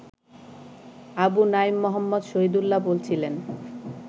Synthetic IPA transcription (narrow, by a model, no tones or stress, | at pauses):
abunaimːɔɦɔmːod̪ʃoɦid̪ulːabolt͡ɕʰilen